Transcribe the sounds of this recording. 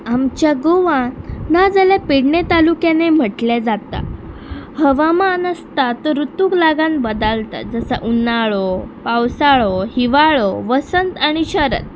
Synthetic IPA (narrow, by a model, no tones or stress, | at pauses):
amt͡ɕjaɡoʋãnad͡zəlapiɽɳet̪alukjenem̤əʈled͡zat̪a̰ | həʋamanəst̪at̪oɾut̪uːklaɡanbəd̪əlt̪a̰d͡zəsaʔunaɭopawsaɭohiʋaɭoʋəsənt̪aɽ̃iɕəɾə̰t̪̚